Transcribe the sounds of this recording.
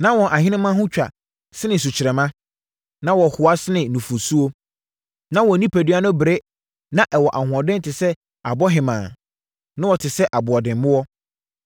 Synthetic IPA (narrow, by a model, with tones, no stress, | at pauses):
nã˦wɔ̃˨nʔa˨hɪ̃˦nɪ̃˦mã˦ɦʊ̃˦t͡ɕᶣa̰˨ | sɪ˦nɪ̃˨s̬u˨t͡ɕʰɪ˨ɾɛ˨mã˦ | nã˦wɔ˨hʊ˨a˦sɪ˦nɪ̃˨nũ˨fu˨su˦o˦ | nã˦wɔ˨nĩ˦pʰæ˨dɥa˦nʊ̃˦bɪ˨ɾe˦ | nã˦ʔɛ˨wɔ˨ʔa˨hʊ̃˨ɔ̃˨dɪ̃˦n˦tʰɪ˨sɛ˦ | a˨bɔ˦ɦɪ˨mã̰ː˨ | nʊ̃˦wɔ˨tʰɪ˨sɛ˦ʔa˨bʊ˨ɔ˨dɪ̃˨m˦mʊ̃˦wɔ˦